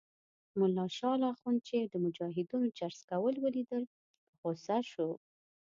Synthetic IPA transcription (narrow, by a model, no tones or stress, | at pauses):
mʊlːɑʃɑlɑxunt͡ʃed̪əmʊd͡ʒɑɦɪd̪unod͡ʒaɾskawəlwəlid̪əl | əɣosaʃo